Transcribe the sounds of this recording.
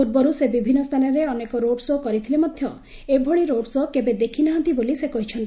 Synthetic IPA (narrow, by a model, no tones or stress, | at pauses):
ud̪̚bɔɾusebibʱinːɔst̪ʰanɔɾeɔnekɔɾoɖsokɔɾit̪ʰilemɔd̪ʱjɔ | ebʱɔɭiɾoɖsokebed̪ekʰinaɦɔnt̪ibolisekɔɦit͡ʃʰɔnt̪